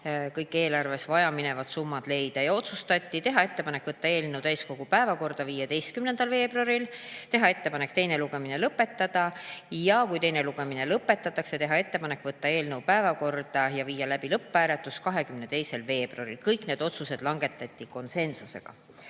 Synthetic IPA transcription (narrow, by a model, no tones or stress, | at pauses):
kɤjkːe̞ːlɑrve̞svɑjɑmine̞vɑd̪̥sumːɑd̪̥le̞jd̪̥ɑjɑo̞t̪sust̪ɑt̪ʲːit̪e̞ɦɑe̞t̪ːepɑne̞kːˑvɤt̪ːɑe̞ːlnewt̪æjsko̞ɡ̥upæevɑko̞rd̪̥ɑviːjed̪e̞jst̪kymne̞nd̪̥ɑlve̞ːb̥ruɑɾilt̪e̞ɦɑe̞t̪ːe̞pɑne̞kt̪e̞jne̞luɡe̞minelɤpːˑe̞t̪ːɑd̪̥ɑjɑkujt̪e̞jne̞luɡ̥e̞minelɤpːˑe̞t̪ːˑɑt̪ːˑɑkse̞t̪e̞ɦɑe̞t̪ːe̞pɑne̞kːˑvɤt̪ːɑe̞ːlnewpæevɑko̞rd̪̥ɑjɑviːjɑlæb̥ilɤpːæːɾet̪ːˑuskɑɦe̞kymne̞t̪e̞jse̞lve̞ːb̥rɑɾilkɤjkne̞ːd̪̥o̞t̪suse̞d̪̥lɑŋɡe̞t̪ːˑɑt̪ʲːˑiko̞nse̞nsuse̞̰ɡ̥ɑ̰